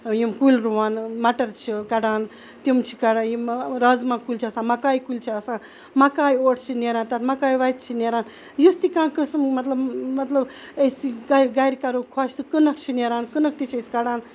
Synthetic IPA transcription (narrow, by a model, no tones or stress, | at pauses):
jimkulɾuʋaːnmɐʈɐɾt͡ʃʰikɐɽaːn | t̪imt͡ʃʰi̥kɐɽãːnjimɾɐzmãkulʲt͡ʃʰɐsãːmɐkaːjkulʲt͡ʃʰiɐsãː | mɐkaːjoːʈʰt͡ʃʰineːɾaːnt̪ɐt̪ʰmɐkaːjʋajt̪̚t͡ʃʰineɾaːn | just̪ikãːkɨsmmɐt̪lɐbmɐt̪lɐb | əsiɡaɡajɾʲikɐɾukʰaːʃsɨkɨnɐkʰt͡ʃʰineɾaːnkɨnɐk̚ʰt̪it͡ʃʰiɐsʲkɐɽaːn